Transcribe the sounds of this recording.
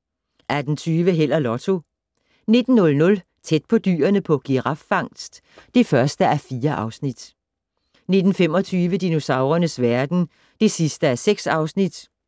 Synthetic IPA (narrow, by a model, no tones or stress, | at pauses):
ʔæd̥n̩t͡sʰyːʋəɦel̰ɐlɒ̽t͡sʰo̝ | ne̝d̥n̩nɔ̽lnɔ̽l | t͡sʰed̥̚pʰɒ̽d̥y̰ːɐnəpʰɒ̽ɡ̥iʁɑ̈fːɑ̈ŋ̰sd̥ | d̥e̝fɶɐsd̥əæɐfiːɐʔɑ̈ʊsnid̥ | ne̝d̥n̩fem̰ɒ̽t͡sʰyːʋəd̥ino̝sɑ̈ʊʁɐnəsʋæɐd̥n̩ | d̥e̝sisd̥əæɐseɡ̥sɑ̈ʊsnid̥